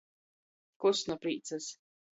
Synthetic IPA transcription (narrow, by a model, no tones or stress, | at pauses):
kusnɔpɾiːt̪sas